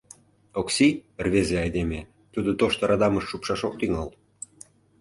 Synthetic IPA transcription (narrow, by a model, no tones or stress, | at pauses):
oksirβezeɑjd̪eme | t̪ud̪ŏt̪oʃt̪ə̆ɾɑd̪ɑməʃːupʃɑʃok̚t̪yŋɑl